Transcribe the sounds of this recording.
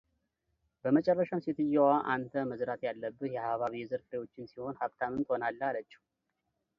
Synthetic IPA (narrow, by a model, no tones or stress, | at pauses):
bəmət͡ʃʼɛrːəʃamset̪ʰɨjawaʔant̪ʰəməzɾat̪ʰjalːəbːɨhjɛhaβaβijɛzɨɾfɾejo̞t͡ʃːɪnsiho̞nhaβt̪ʰamənt̪ʼhonalːəalət͡ʃːi̥h